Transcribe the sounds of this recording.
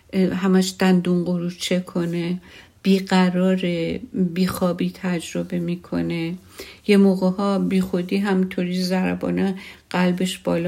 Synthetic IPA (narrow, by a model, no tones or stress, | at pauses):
ɦæmæʃd̪̥ænd̪unɢoɾuːt͡ʃʰekʰo̞neb̥iːɢæɾɒːɾebiːxɒːbiːt̪ʰæd͡ʒɾo̞be̞miːkʰo̞̰ne | jemoːɣehɒːbiːxod̪iːɦæmit̪ʰoɾiːzæɾæ̰bɒ̰ːneɢ̥ælbeʃb̥ɒːl